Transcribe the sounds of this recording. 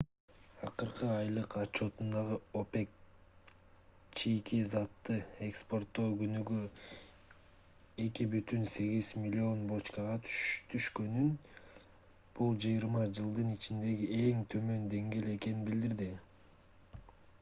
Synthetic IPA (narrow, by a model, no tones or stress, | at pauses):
ɑqɯɾqɯɑjlˠɯqɑt͡ʃːo̞t̪und̪ɑʁɯo̞pe̞k̚ | t͡ʃʰikizɑt̪ːɯe̞kspo̞rt̪ːo̞ɡynyɡy | e̞kibyt̪ynse̞ɡiz̥mʲilʲio̞nbo̞t͡ʃkɑʁɑt̪ʰt̪ʰyʃkø̞nyn | b̥ulˠd͡ʒɯjiɾmɑd͡ʒɯlˠd̪ɯnit͡ʃind̪e̞ɡie̞ŋt̪ʰø̞mø̞nd̪e̞ŋɡe̞ːle̞ke̞ninbild̪iɾd̪i